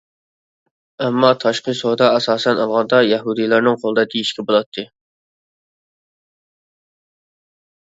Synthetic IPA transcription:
ɛmːɑt̪ʰɑʃqəsod̪ɑɛsɑːsɛnɑlˠʁɑnd̪ɑjɛɦud̪ijlˠɑɾnɨŋqʰolˠəd̪ɑk̪ʲiiʃkʲɛbolˠɑt̪ʰːɨ

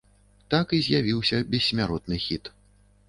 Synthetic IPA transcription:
t̪akizʲjavʲiwsʲɐbʲɛsʲmʲaɾɔt̪̚nɨxʲit̪

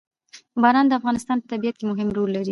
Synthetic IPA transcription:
bɑɾɑnd̪əafɣɑnɪst̪ɑnpə̥t̪abijat̪̚kemʊɦɪmɾolːaɾi

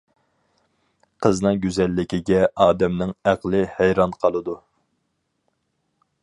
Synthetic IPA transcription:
qʰəznɨŋɡʲyzɛlːɪkʲiɡʲɛʔɑːd̪ɛmnɪŋæqlˠɨhæjɾɑnqʰɑlˠɨd̪u

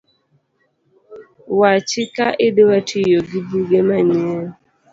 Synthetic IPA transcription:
wat͡ʃɪkaʔɪdewatʰijoɡibuɡemaɲe

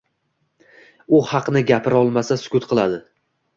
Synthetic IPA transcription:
ʊhɑqnɪɡʲapʰɪɾɒlˠmasasʊ̥kʲʰʊt̪qʰɨlˠad̪ɪ

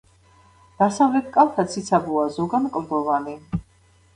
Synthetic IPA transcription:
d̪̥asavlɛt̪̚ʰkʼalˠt̪ʰat̪sʰit̪sʰabuazɔɡankʼɾd̪ɔvani

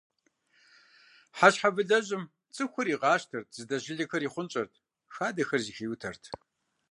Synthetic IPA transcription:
ħaɕħavɨɮɐʑɪm | t͡sʼɨxʷʊɾiːʁɑːʃtʰɐrtʰzɨdɐʑɪɮɐxɐriːχʷʊnt͡ʃʼɐrtʰ | xaːdɐxɐrzixiːwʊtʰɐrtʰ

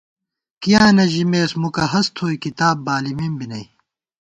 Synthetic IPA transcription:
kijãːnɐʑimeːsmukɐɦɐst̪ʰoːikit̪aːbːaːlimimbinɐi

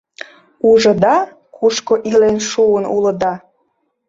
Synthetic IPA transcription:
uʒə̆d̪ɑ | kʰuʃkoʔilenʃuənulə̆d̪ɑ

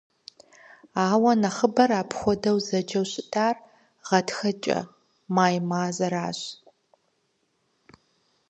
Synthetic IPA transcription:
aːwɐnɐχəbɐɾaːpʰxʷɔdɐwzɐd͡ʒɐwɕʼɪtʰʼaːr | ʁɐtxɐt͡ʃʼɐ̰ | maːjmaːzɐɾaːɕ

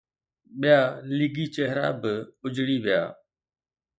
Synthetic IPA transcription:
ɓɪjaːlɪɡiːt͡ʃɛɦɾa̰ːbɪʊd͡ʒɽiːʋɪja̰ː

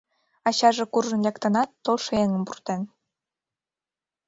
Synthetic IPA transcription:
ɑɕɑʒĕkurʒɤ̆nlʲekt̪ɤ̆nɑt̪ːolʃɤ̆eŋə̆mpurt̪en

